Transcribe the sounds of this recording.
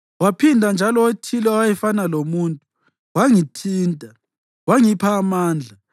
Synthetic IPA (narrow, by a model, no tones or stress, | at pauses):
wapʰindʱand͡ʒʱalɔotʰilɔwajɛfanalomuːntʼu | waŋitʰiːntʼa | waŋipʰaːmaːnd͡ɮʱa